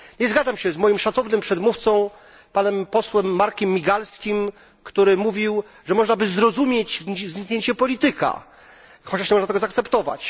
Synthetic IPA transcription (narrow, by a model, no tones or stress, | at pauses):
ɲɛzɡad̪zamɕɛzmɔjimʂat̪ɔvnɘmpʂɛd̪muft̪sɔ̃w̃ | panɛmpɔswɛmːaɾkʲɛmːʲiɡalskʲim | kt̪uɾɘmuvʲiw | ʐɛmɔʐnabɘzɾɔzumʲjed͡ʑzɲikɲeɲt͡ɕɛpɔlʲit̪ɘka̰ | xɔt͡ɕaʂnɲɛmɔnat̪ɛɡɔzaːk̚t̪sɛpt̪ɔva̰t͡ɕ